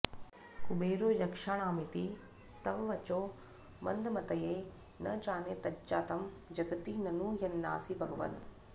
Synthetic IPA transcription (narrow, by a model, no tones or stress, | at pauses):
kʊbeːɾojɐkʃaɳ̃aːmit̪i | t̪ɐʋʋɐt͡ʃoː | mɐ̰̃nd̪mɐt̪ɐje | nɐt͡ʃaːnet̪ɐt͡ʃaːt̪ɐmd͡ʒɐɡt̪inɐnũːjɐnːa̰ːsibʱɐɡʋɐ̰n